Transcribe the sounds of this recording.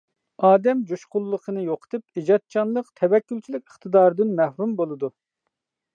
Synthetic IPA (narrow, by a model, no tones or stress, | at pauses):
ɑːd̪ɛmd͡ʒuʃqʊlˠːəqʰənɨjoqʰə̥t̪ʰɨp̚id͡ʒɑt̪̚t͡ʃʰɑnlˠəqt̪ʰɛwɛkʲːylʲt͡ʃʰilɪkʲəχt̪ɨd̪ɑːɾɨd̪ɨnmɛhɾumbolˠɨd̪u